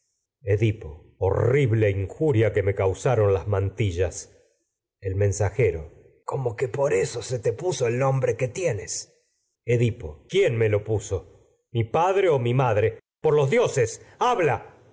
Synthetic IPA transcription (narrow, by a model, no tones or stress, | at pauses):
eðipo̞̰ | o̰riβleiŋxuɾjakemekawsaɾo̞nlazmant̪iʒas | elmẽnsaxeɾo̰ | komokepo̞ɾesoset̪epusoelnõmbɾeket̪jenes | eðipo̞̰kjenme̞lo̞puso̞ | mipaðɾeomimaðɾe | poɾlo̞zðjosesaβla